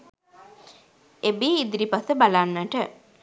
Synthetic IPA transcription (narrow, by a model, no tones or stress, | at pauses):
ebiid̪iɾipasəbalanːəʈə